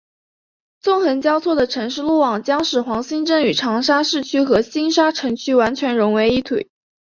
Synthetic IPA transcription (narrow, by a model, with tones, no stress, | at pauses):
t͡sʊ˥˩ŋxə˧˥nt͡ɕjɑ˥ʊt͡sʰwɔ˥˩d̪ə˩ʈ͡ʂʰɤ˧˥ŋʂɻ̩˥˧lu˥˩wɑ˨˩ŋt͡ɕjɑ˥ŋʂɻ̩˨˩xwɑ˧˥ŋɕi˥ŋʈ͡ʂə˥ŋy˨˩ʈ͡ʂʰɑ˧˥ŋʂa˥ʂɻ̩˥˩t͡ɕʰy˥xɤ˧˥ɕi˥nʂa˥ʈ͡ʂʰɤ˧˥ŋt͡ɕʰy˥wa˧˥nt͡ɕʰɥɛ˧˥nɻʊ˧˥ŋwe˧˥ɪi˥˩t̪ʰwḛ˨˩˦